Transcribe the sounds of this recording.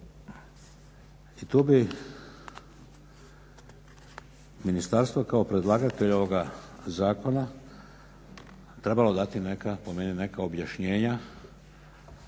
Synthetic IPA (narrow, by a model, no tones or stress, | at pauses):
it̪uːbi | minist̪aɾst̪ʋokao̞pɾe̞d̪lˠaːɡat̪e̞ʎo̞ʋo̞ɡazaːko̞na | t̪ɾe̞balo̞d̪at̪ine̞kapo̞me̞nine̞kao̞bjaʃɲe̞ːɲa